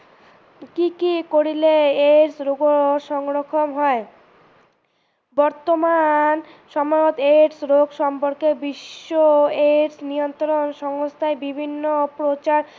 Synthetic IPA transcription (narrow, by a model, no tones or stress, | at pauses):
kikikoɾileeɾsɾoɡoʃɔŋɾokʰomɦɔe | bɔɾt̪omanʃɔmojot̪eɾsɾoɡʃɔmpoɾkebiʃːoeʈsnijont̪ɾonʃɔŋost̪ʰaebibʱinːopɾot͡ɕaɾ